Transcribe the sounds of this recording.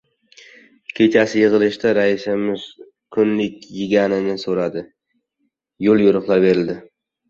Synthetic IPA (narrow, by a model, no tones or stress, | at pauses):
kʲʰe̞t͡ʃʰasɪjɨʁɨlˠɪʃt̪aɾaɪʃɪmɪz̥ | kʰʊnlɪkʲjɪɡʲanɪnɪsoɾad̪ɪ | jolˠjʊɾʊχlˠaɾbe̞ɾɪld̪ɪ